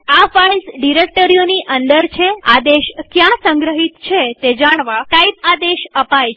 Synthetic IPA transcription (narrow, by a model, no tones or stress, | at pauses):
afailsɖiɾek̚ʈəɾijoniʔənd̪əɾt͡ʃʰead̪eʃkjãsə̃ŋɡɾəɦit̪t͡ʃʰet̪ed͡ʒaɽ̃ʋaʈaibad̪eʃəpajt͡ʃʰe